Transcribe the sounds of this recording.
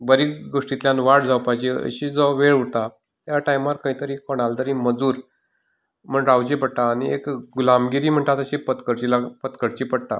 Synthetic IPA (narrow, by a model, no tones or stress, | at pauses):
bəɾiːɡoʂʈit̪ljanʋaʈd͡zawpajd͡ʑeə̰ɕiːd͡zɔʋeɭuɽt̪a | jaʈajmaɾkə̃ɦĩt̪əɾiːkɔɽ̃alt̪əɾĩːməd͡zuːɾ | m̤əɳɾawd͡ʑepəɽʈ̪aːniekɡulamɡiɾiːm̤əɳʈ̪at̪əɕepət̪kəɾt͡ɕilapət̪kəɾt͡ɕiːpəɽʈ̪a̰